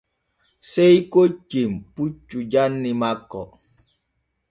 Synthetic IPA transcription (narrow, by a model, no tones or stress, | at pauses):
seikot͡ʃemput͡ʃːud͡ʒanːimakːɔ̰